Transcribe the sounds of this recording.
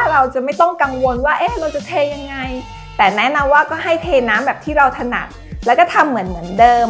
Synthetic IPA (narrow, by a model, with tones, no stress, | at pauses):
ɾa˧wt͡ɕa˨˩ma˥˩jt̪ɔ˥˩ŋka˧ŋwo˧nwaː˥˩ʔeː˧˥ɾa˧wt͡ɕa˨t̪ʰeː˧ja˧ŋːa˧j | t̪ɛː˨˩nɛ˦˥na˧mwaː˥˩kɔː˥˩ɦa˥˩jt̪ʰeː˧naː˦˥mbɛː˨˩p̪̚ʰiː˥˩ɾa˧wt̪ʰa˧na̰˨˩t̚lɛː˦˥wkɔː˥˩t̪ʰa˧mːɯ˩˦ənmɯ˩˦əndɤː˧m